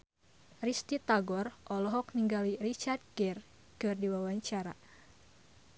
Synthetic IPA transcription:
rist̪it̪aɡɔrʔɔlɔɦɔk̚niŋɡalirit͡ʃard̪̚ɡɛr | kɨrdiwawaɲt͡ʃaɾa̰

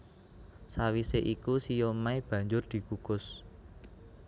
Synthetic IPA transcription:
sawiseʔikusijomaib̥ä̤ɲd͡ʒʊrd̪̥i̤ɡ̥uɡ̥ʊs

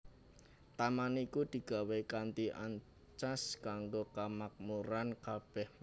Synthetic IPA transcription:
t̪amanikud̪̥i̤ɡ̥a̤wekant̪iʔa̰ɲ | t͡ʃaskaŋɡokamak̚muɾankab̥ɛhm

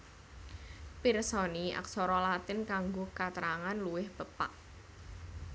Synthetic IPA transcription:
piɾsɔnia̰ksɔɾɔlat̪ɪnkaŋɡokat̪əɾaŋanluwɪhb̥əpa̰ʔ

